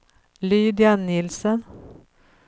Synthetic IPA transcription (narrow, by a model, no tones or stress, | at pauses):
lyːd̪ɪanːɪlsən